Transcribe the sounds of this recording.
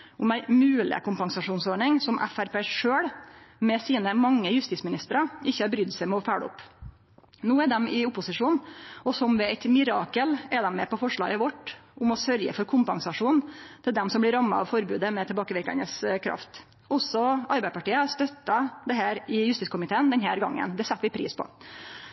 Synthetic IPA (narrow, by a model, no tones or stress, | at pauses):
ʊmæɪmʉːlɪ̰kʰʊmpɑŋsɑʂuːnsɔːɖɳɪŋsɔmʔæ̰fæɾpeːʂøːɽmɛsiːnəmɑŋːəjʉst̪iːsmɪnɪst̪əɾɑɪçːəɑɾbɾʏd̪sæɪmɛɔfæːɽɔ̰pː | nuːɛɖ̪ɛmɪʊpːʊsɪʂuːnɔsɔmʋɛæɪt̪mɪɾɑːkəlɛd̪ɛmːɛpɔfɔʂɭɑ̰ːɡəʋɔʈːʔʊmɔsœɾjə̰fɔɾkʰʊmpɑŋsɑʂuːnt̪ʰɪld̪ɛmsɔmblɪɾɑmːɑ̰ɑ̰ʋfɔɾbʉːd̪əmɛt̪ʰɛlbɑːkəʋɪɾkɑ̰nəskʰɾɑ̰ft̪ | ɔsɔɑɾbæɪəpɑʈiːəʂt̪œt̪ːɑd̪ɛɦæːɾɪjʉst̪iːskʊmɪt̪ʰeːənd̪ɛnɦæːɾɡɑ̰ŋːə̰nd̪ɛsɛt̪ːʋɪpʰɾḭːspʰɔ̰